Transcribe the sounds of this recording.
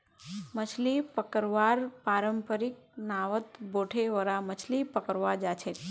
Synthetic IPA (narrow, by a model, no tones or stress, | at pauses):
mət͡ʃʰlipəkəɾʋaɾpaɾəmpəɾɪk̚naʋət̪boʈʰeʋəɾamət͡ʃʰlipəkəɾʋad͡ʒat͡ʃʰe